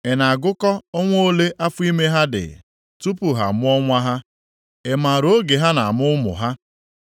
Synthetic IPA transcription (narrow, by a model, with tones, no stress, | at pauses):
e˨na˨a˨ɡʊ˦kɔ˦ɔ˦ŋʷoː˦le˦ʔa˦fʊ˦i˦me˦ɦa˦dɪ̰˨ | tu˦pʊ˨ɦa̰˨mʊ˦ɔ˦ŋʷa˦ɦa˦ | e˨ma˨ɾo˦ɡe˨ɦa˦na˨mʊ˦ʊ˦mʊ̰˨ɦa˦